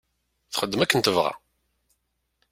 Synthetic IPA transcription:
θχəd̪ːəmækːənt̪əvʁa̰

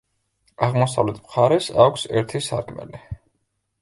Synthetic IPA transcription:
aʁmɔsavlɛt̪ʰmχaɾɛsakʷʰsɛɾt̪ʰisaɾkʰmɛ̰li

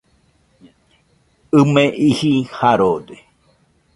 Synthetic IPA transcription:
ɨmẽʔihihaɾode

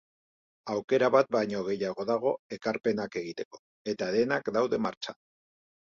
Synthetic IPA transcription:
awke̞ɾaβat̪̚bajɲo̞ɣ̞e̞jaɣ̞o̞ðaɣ̞o̞e̞kaɾpe̞nake̞ɣit̪e̞̥ko̞̥ | e̞t̪aðe̞nakd̪awðe̞maɾt͡ʃḁ

